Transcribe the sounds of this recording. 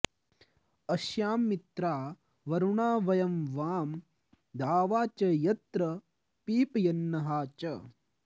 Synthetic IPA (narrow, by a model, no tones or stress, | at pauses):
ɐʃjaːmːit̪ɾaː | ʋɐɾuɳaːʋɐjɐmʋaːm | d̪aːʋaːt͡ʃɐjɐt̪ɾɐ | piːpɐjɐnːɐɦaːt͡ʃɐ